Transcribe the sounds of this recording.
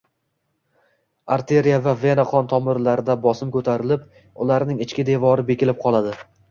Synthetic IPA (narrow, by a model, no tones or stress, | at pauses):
aɾt̪ʰe̞ɾijavave̞naqʰɒnt̪ʰɒmɪɾlaɾɪd̪abɒsɪmkʰɵt̪ʰaɾɪlɪp̚ | ʊlaɾnɪŋɪt͡ʃkʲɪd̪e̞vɒɾɪbe̞kʲɪlɪp̚qʰɒlˠad̪ɪ